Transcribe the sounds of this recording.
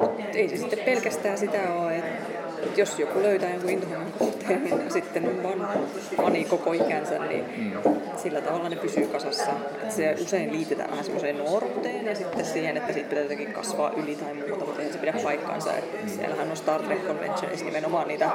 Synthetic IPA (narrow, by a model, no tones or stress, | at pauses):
mut̪ | eisesit̪ːeppelkæst̪æːsit̪æoːet̪ | et̪josjokuløyt̪æːjoŋkuint̪ohimɑŋkuht̪eːnninsit̪ːenompɑnh | pɑnikokoikænsæ̰nnḭ | silːæt̪ɑʋɑlːˑɑnepysyːkɑsɑsːɑʔḛt̪seʔuseinliːt̪ːet̪æ̰ʋæ̰hænsḭmːoseːnnort̪ːeːnjɑsit̪ːessiːhenet̪ːæsiːt̪̚pit̪æt̪ːækikkɑ̰sʋɑ̰ːʔylit̪ɑimuːt̪ɑmut̪ehænsepiɾæppɑikːɑ̰nsɑ̰ḛt̪ | siæ̰lhænonst̪ɑrt̪rekːonʋḛntːo̰nḭsnimenomɑːnniːt̪æ